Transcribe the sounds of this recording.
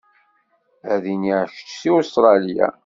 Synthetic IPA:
æðiniʕʃə̥t͡ʃsiost̪ɾˤɑlija̰

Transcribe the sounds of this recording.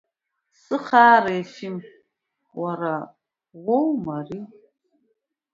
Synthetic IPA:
sɨχaːɾaefim | waɾa | ʁʷowmari

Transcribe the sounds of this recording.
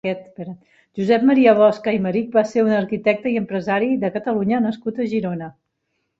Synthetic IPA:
ɛt̪bɛɾ | ʒuzɛp̚məɾiəβɔskəiməɾik̚baseɾunəɾkit̪ɛk̚t̪əiəmpɾəzaɾiðəkət̪əluɲənəskut̪əʒiɾonə

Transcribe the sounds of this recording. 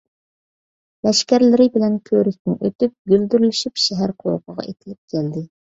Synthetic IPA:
lɛʃkʲæɾlɪɾɪbɪlɛnkʲʰøɾɪkʲnɪ̰ʔøt̪yp̚ɡʲøld̪yɾylyʃypʃɛɦæɾqʰolˠqʰəʁɑ̰et̪ʰɪlɪp̚kʲʰæld̪ɪ

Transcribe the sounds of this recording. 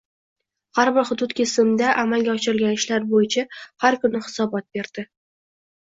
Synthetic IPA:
haɾbɪɾhʊd̪ʊt̪kʲʰɪsɪmd̪aʔamalɡʲaɒt͡ʃɪɾɪlɡʲanɪʃlaɾbojɪt͡ʃʰahaɾkʰʊnɪhɪ̥sɒbɒt̪̚be̞ɾd̪̥ɪ

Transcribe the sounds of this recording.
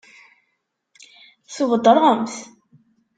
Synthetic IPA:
θuvəd̪ˤːəɾˤʁəmθ

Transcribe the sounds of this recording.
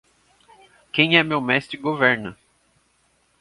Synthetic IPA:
kẽj̃ɛmewmɛst̪ɾɪɡovɛɾnɐ

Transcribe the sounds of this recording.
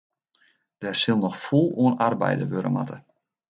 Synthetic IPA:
d̥ɛrsɪlˠnɔxfulˠuənarbɛ̰jdə̰ʋøɾə̰ma̰tʰə

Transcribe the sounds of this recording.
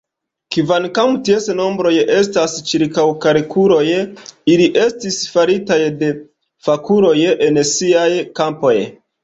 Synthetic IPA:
kivankamtiesno̞mbɾo̞je̞stast͡ʃiɾkawkaɾikʰuɾo̞jiliʔe̞stisfaɾitajde̞ | fakuɾo̞jensiajkampo̞j

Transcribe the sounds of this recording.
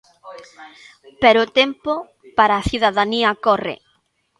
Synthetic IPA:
pɛɾʊt̪ɛmpʊ | paɾaːθiðaðaniɐkɔrɪ̰

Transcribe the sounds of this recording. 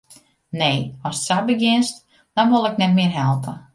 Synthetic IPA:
neːɔssabəɡɪnst | d̥ɔnʋolˠɛknɛtmɪərɦɛlˠpə

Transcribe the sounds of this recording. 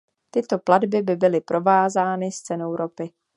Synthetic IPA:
t̪ɪt̪o̞pladbɪbɪbɪlɪpɾʔo̞vaːzaːnɪst͡sɛnowɾopɪ

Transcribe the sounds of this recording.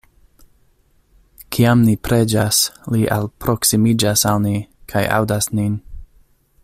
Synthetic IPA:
kʰiamnipɾe̞d͡ʒasliʔa̰lpɾo̞ksimid͡ʒasalnikʰajʔa̰wdasnin

